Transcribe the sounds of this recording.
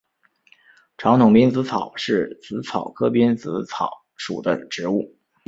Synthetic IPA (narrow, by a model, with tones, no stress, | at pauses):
ʈ͡ʂʰɑ˧˥ŋt̪ʰʊ˨˩ŋpi˥nt͡sɹ̩˧˥t͡sʰɑ˨˩ʊʂɻ̩˥˩t͡sɹ̩˧˥t͡sʰɑ˨˩ʊkʰɤ˥pi˥nt͡sɹ̩˧˥t͡sʰɑ˨˩˦ʊʂṵ˨˩d̪ə̰˦ʈ͡ʂɻ̩˧˥u˥˩